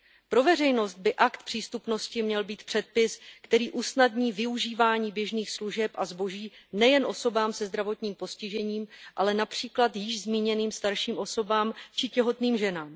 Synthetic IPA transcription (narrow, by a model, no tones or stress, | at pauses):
pɾo̞vɛr̝ɛjno̞st̪̚bɪʔakt̪pr̥iːst̪upno̞scɪmɲɛlbiːt̪pr̝̥ɛt̪̚pɪskt̪ɛɾiːʔusnad̪ɲiːvɪuʒiːvaːɲiːbjɛʒniːxsluʒɛpʔazbo̞ʒiːnɛjɛnʔo̞so̞baːmsɛzd̪ɾavo̞t̪ɲiːmpo̞scɪʒɛɲiːmʔa̰lɛnapr̝̥iːklat̪jɪʒzmiːɲɛniːmst̪aɾʃiːmʔo̞so̞baːmt͡ʃɪcɛɦo̞t̪niːmʒɛnaːm